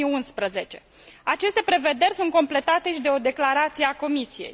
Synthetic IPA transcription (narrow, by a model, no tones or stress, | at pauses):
iunspɾəze̞t͡ʃe̞ | at͡ʃe̞st̪e̞pɾe̞ve̞d̪e̞rʲsunt̪ko̞mple̞t̪at̪e̞ʃid̪e̞o̞d̪e̞klaɾat̪sijeako̞misije̞̰j